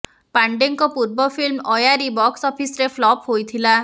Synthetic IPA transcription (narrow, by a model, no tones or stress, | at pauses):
paɳɖeŋkɔpuɾbɔfilmɔjaɾibɔksɔpisɾeflɔpɦojt̪ʰila